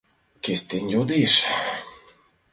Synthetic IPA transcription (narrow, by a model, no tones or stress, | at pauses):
kʲesʲt̪ʲenʲjod̪iʃ